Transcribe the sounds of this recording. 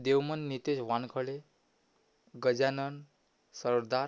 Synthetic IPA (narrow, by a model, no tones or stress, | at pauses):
d̪eʋmənːit̪eɕʋankʰəɭe | ɡəd͡ʑanən | səɾd̪a